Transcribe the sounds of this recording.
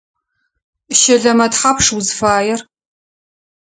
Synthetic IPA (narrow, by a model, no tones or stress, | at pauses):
ʃɐɮɐmɐtħapʰʂwuzfaːjɛr